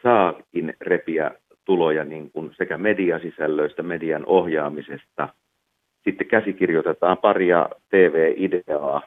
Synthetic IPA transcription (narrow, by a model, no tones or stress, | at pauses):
sɑːkinrepiæ̰ | t̪ulojɑniŋkunsekæmediɑsisælːøist̪æmediɑnohjɑːmisest̪ɑ | sit̪ːekæsikirjot̪et̪ɑːmpɑriɑ̰t̪eːʋeːʔideɑː